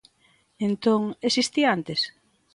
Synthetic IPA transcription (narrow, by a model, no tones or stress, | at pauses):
ent̪oŋesist̪iaant̪es